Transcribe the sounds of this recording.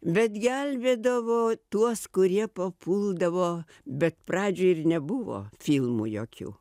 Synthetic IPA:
bʲɛt̪ɡʲælʲʋʲeːd̪ɐʋoːt̪uɔskʊɾʲiɛpɐpʰuːlˠd̪ɐʋoː | bʲɛt̪pɾɑːd͡ʒʲʊɪrnʲɛbʊʋo̰ːfʲilˠmṵjo̰ːkʲṵː

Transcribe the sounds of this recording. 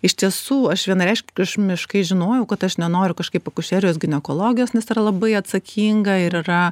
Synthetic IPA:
ɪʃt̪ʲiɛsuːɐʃʋʲiɛnɾʲɛɪʃʲkʲɐʃmʲɪʃkɐɪʒʲɪnoːjɛʊkɐt̪ɐʃnʲɛnoːɾʲʊkɐʃkɐɪpɐkʊʃʲɛːɾʲɪjoːs̬ɡʲɪnʲɛkoːlˠoːɡʲɪjoːsnʲɛsɪɾɐlˠɐbɐɪɐt̪sɐkʲʰiːŋɡɐɪɾɪɾɐ

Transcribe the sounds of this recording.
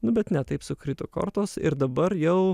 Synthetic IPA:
nʊbʲɛt̪nʲɛt̪ɐɪpsʊkɾʲɪt̪ʊkɔ̰ɾt̪oːsɪ̰ɾd̪ɐbɐɾjɛʊ

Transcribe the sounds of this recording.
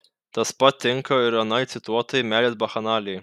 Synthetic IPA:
t̪ɐspɐt̪ʲːɪŋkɐɪɾɐnɐɪt̪sʲɪt̪uɔt̪ɐjmʲæːlʲeːsbɐxɐnɑːlʲɛj

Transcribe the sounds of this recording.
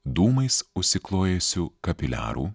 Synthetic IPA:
d̪uːmɐɪsʊʃʲsʲɪklˠoːjɛsʲuːkɐpʲɪlʲæ̰ːɾṵː

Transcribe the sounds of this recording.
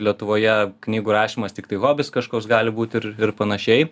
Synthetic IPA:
lʲiɛt̪ʊʋoːjɛknʲiːɡuːɾɑːʃʲiːmɐst̪ʲɪkt̪ɐɪɣoːbʲɪskɐʃkoːsɡɑːlʲɪbuːt̪ʲɪɾɪrpɐnɐʃʲɛɪ

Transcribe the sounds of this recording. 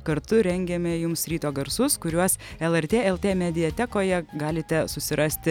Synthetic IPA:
kɐɾt̪ʊɾʲɛŋʲɡʲɛmʲɛjʊmsɾʲiːt̪oːɡɐɾsʊskʊɾʲuɔsɛlˠɛɾʲt̪ʲeːɛlˠt̪ʲeːmʲɛd̪ʲɪjɛt̪ʲɛkoːjɛɡɑːlʲɪt̪ʲɛsʊsʲɪɾʔɐsʲt̪ʲɪ

